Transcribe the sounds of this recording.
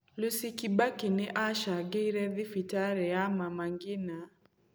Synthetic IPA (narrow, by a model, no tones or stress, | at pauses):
lusikibakinɛʔaʃaɡɛiɾɛðifitaɾɛamamaŋɡina